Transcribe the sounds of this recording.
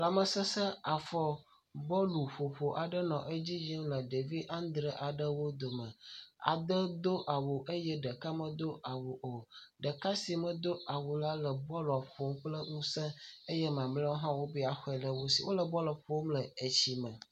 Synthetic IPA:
la˨mə˨sə̃˦sə˦a˨fɔ˦ | bɔ˦lu˨ɸo˨ɸo˨ʔa˨ɖə˦nɔ̃˨ʔə˦d͡ʑi˦d͡ʒi˦mlə˨ɖe˨vi˦ʔã˦nd̪ɾe˦ʔa˨ɖə˦wo˦d̪o˨mə̃˨a̰˨d̪ə˦d̪o˦ʔa˨wo˨ʔə˦jɛ˦ɖə˨ka˦mə̃˨d̪o˦ʔa˨wo˨ʔo˨ɖə˨ka˦si˨mə̃˨d̪o˦a˨wo˨la˦lə˨bɔ˦lɔ˨ɸo˨˦k͡plə˦ŋũ˦sɛ̃˦ə˦jɛ˦mã˨mlə˦wo˦ɦã˦wo˦bi˦a˨xɔ˦ɛ˨lə˦wo˦sḭ˨wʔo˦lə˨bɔ˦lɔ˨ɸo˦mlə˨e˨t͡ɕi˦mə̃˨

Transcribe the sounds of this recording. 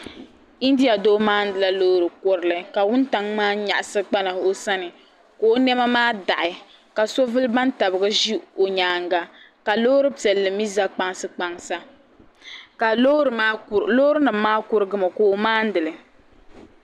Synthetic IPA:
i˦n˦di˦a˨doː˦maː˦n̩˦dɨ˨la˦loː˦ɾɨ˨ko˦ɾɨ˦lɨ˦˨ka˨wʊ˦n˦ta˨ŋmaː˦ɲa̰˨ʔa˨sɨ˦k͡pa˦na˨o˦sa˦nɨ˨ | ko˨˦nɛ˦ma˦maː˦da̰˨ʔɪ˨ | ka˨so˦vɨ˦lba˦nta˨bɨ˨ɡɨ˦ʒi˦o˨ɲaː˨ŋɡa˨ | ka˨loː˦ɾɨ˦pi˨ɛ˨lːɨ˨mi˦za˦k͡pa˦ŋsɨ˦k͡pa˨ŋsa˦ | ka˨o˦ɾma˦lo˦ɾɨ˦nɨ˨mː˦aː˦kʊ˦ɾɨ˦ɡɨ˦ma˨koː˨˦˨maː˦n̩˦dɨ˨lɨ˨

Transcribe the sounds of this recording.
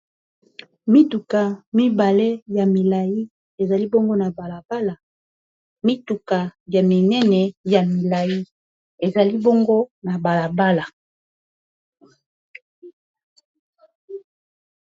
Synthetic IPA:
mi˦tu˨ka˨mi˦ba˨le˦ja˨mi˨la˨ji˦ | e˨za˨li˦bo˦ŋɡo˦na˨ba˨la˨b̥a˦la˨ | mi˦tu˨ka˨ja˨mi˨nɛ˦nɛ˨ja˨mi˨la˨ji˦ | e˨za˨li˦bo˦ŋɡo˦na˨ba˨la˨ba˦la˨

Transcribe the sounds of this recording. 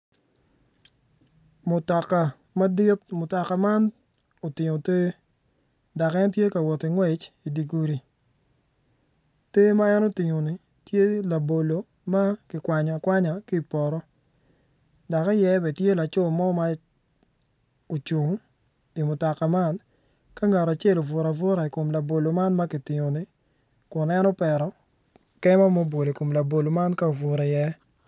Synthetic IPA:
mʊ˨ta˨ka˨ | ma˦dɪ˦t̚mʊ˨ta˨ka˨ma˦n | o˨tɪ˨ŋo˨te˦ | da˨kɛ˦ntje˦ka˨wɔ˨ti˨ŋwɛ˨t͡ʃi˨di˨ɡu˦ɾi˨ | te˦ma˦ɛ˦no˦tɪ˨ŋo˨nɪ˨ | tje˦la˨bo˨lo˨ | ma˦kɪ˨kwa˨ɲɔ˨kwa˦ɲa˨ki˦˨pɔ˨ɾɔ˦ | da˨ka˦jɛ˦bɛ˨tje˦la˨t͡ʃo˦˨mɔ˦ma˦ | o˨t͡ʃu˨ŋ˦ | i˨mʊ˨tɔ˨ka˨ma˦˨n | ka˦ŋa˨ɾa˨t͡ʃe˦˨lo˨vʊ˨ɾa˨vʊ˦ɾa˨i˨ko˨mla˨bo˨lo˨ma˦nma˦kɪ˨tɪ˨ŋo˨ni˦ | kʊ˨nɛ˦nɔ˦pɛ˨ɾɔ˦ | kɛ˦ma˦mo˦bo˨le˨ko˨mla˨bo˨lo˨ma˦nka˦o˨vʊ˨ɾa˨jɛ˦

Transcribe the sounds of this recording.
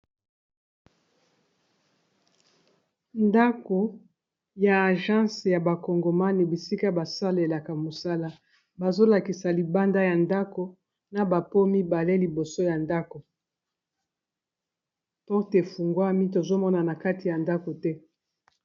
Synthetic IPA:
nda˦ko˨ | ja˨a˨ʒã˦sja˨ba˨kɔ˨ŋɡo˨ma˦ni˨bi˨si˦ka˦ba˨sa˦le˨la˨ka˨mo˨sa˦la˦ | ba˨zo˦la˨ki˨sa˨li˨ba˦nda˦ja˨nda˦ko˨ | na˨ba˨po˦mi˦ba˨le˦li˨bo˨so˦ja˨nda˦ko˨ | pɔ˦ʁte˨fu˨ŋɡwa˦mi˦t̬o˨zo˦mɔ˦na˨na˨ka˦ti˨ja˨nda˦ko˨tɛ˦

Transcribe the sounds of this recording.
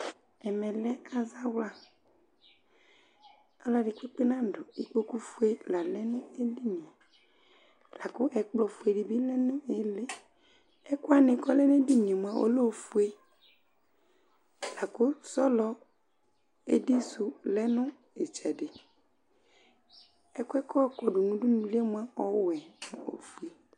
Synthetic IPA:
ɛ˨mɛ˨lɛ˦a˨za˦wla˦ | a˦lɔ˨ɖi˨k͡pe˦k͡pe˦nã˦ɖʊ˨i˨k͡po˦ku˦fu˦e˦la˨lɛ˦ne˦e˦di˦ɲ˨e˨ | la˨kʊ˦ʔɛ˨k͡plɔ˨fu˨e˨ɖi˨bi˦lɛ˦nʊ̃˦e˨le˦ | ɛ˦ku˦a˦nɪ̃˨kɔ˦lɛ˦n˦e˦di˦ɲ˨e˨m˨˦ã˦ʔo̰˦lo˦˨fu˦e˦ | la˨kʊ˦sɔ˦lɔ˨ | e˦di˦so˨lɛ˦nʊ̃˦ | e˨t͡ʃɛ˨ɖɪ˨ | ɛ˦kɛ˦kɔ˦kɔ˨ɖʊ˨nũ˦ɖu˦nũ˦li˦e˦mũ˦a˦ɔ˦wɛ˨n˨o̰˨fu˨e˨

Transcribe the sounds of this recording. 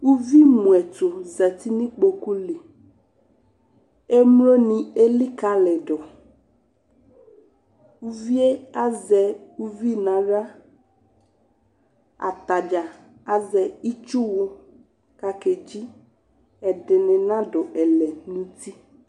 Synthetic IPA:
wu˦vi˦mũ˨ɛ˨to˨zɛ˨t̪i˦nĩ˦k͡po˨ku˦le˨ | e˦mlo˦nĩ˨e˦li˦ka˨lɛ˨ɖɔ˨ | wu˦vi˦e˦a˦zɛ˨u˦vi˦nã˨ɖa˦ | a̰˨t̪a˨d͡ʒa˨ | a˨zɛ˨i˦t͡ʃu˦wo˦ | ka˨ke˨d͡ʒi˦ | ɛ˨ɖɛ˨nɛ̃˨nã˦ɖɔ˨ʔɛ˨lɛ˨nũ˦t̪i˦

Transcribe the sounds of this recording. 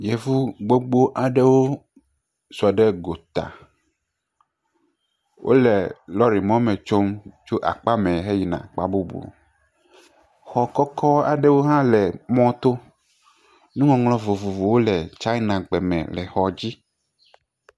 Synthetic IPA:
jɛ˨vu˦ɡ͡bo˦ɡ͡bo˦ʔa˨ɖɛ˦wo˦ | su˨a˨ɖɛ˦ɡo˨t̪a̰˨ | wʔo̰˦lɛ˨lɔ˦ɾi˨mɔ̃˦mɛ̃˨t͡ʃo˦mt͡ʃo˦ʔa̰˨k͡pa˦mɛ̃˨ɦe˦ji˨nã̰˨k͡pa˦bu˦bṵ˨ | xɔ˨kɔ˦kʰɔ˦a̰˨ɖe˦wo˦ɦã˦lɛ˨mɔ̃˦t̪o˦ | nũ˦ŋɔ̃˨ŋlɔ̃˦vo˨vo˨vo˨wo˦lɛ˨t͡ʃa˦i˦nã˨ɡ͡bɛ˨mɛ̰̃˨lɛ˨xɔ˨d͡ʑi˦

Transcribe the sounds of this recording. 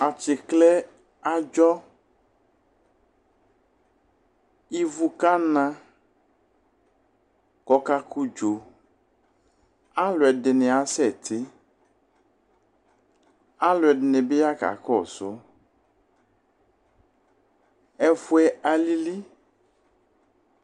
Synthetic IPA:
a˨t͡ʃe˨klɛ˦ | a˨d͡ʒɔ˦ | i˦vu˦ka˦nã˦ | kɔ˨ka˦ku˦d͡ʒo˨ | a˦lʊ˨ɛ˨ɖɪ˨nẽ˨a˨sɛ˦˨t̪ʰɪ˦ | a˦lʊ˨ɛ˨ɖɪ˨ne˨be˦ja˦ka̰˨kɔ˦˨sʊ˦ | ɛ˨fu˦ɛ˨ʔa˨li˦li˦

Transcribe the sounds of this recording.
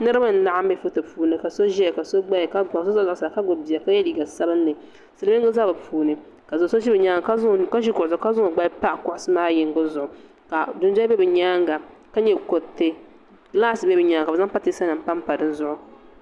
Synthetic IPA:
nɨ˦ɾɨ˦ba˦n̩˦na˨ʔa˦m˦bɛ˦fu˦tɨ˨puː˦nɨ˨ka˨so˦ʒi˦ɛ˨ka˨so˦ɡ͡ba˦˨ka˦ɡ͡ba˨so˦za˦zʊ˨ʔsa˨ka˦ɡo˨bi˨a˨ka˦jɛ˦li˨ɡa˨sa˦bɨ˦nː˦ɨ˨ | sɨ˨lmɪ˦ɡɨ˦za˦bɨ˨pʰuː˨nɨ˨ | ka˨zso˦ʒi˦bɛ˨ɲaː˦ŋa˨ka˦ka˦ʃi˦kʊ˨ʔʊ˨zʊ˨˦ka˦zʊ˦˨ɡ͡ba˦pa˦kʊ˨ʔʊ˨sɨ˦maː˦jɪ˨ŋɡʊ˦zʊ˨ʔʊ˨ | ka˨dʊ˦n˦d͡ʒbɛ˦bɨ˨ɲaː˦ŋɡa˨ | ka˦ɲɛ˦˨ko˨tːe˦ | laː˦sɨ˨bɛ˦bɨ˨ɲaː˦ŋka˨bɛ˨za˦ŋ˦pa˦ti˦sa˦nɨ˨m̩˦pa˦m˦pa˨dɨ˦n˦zʊ˦ʔʊ˨

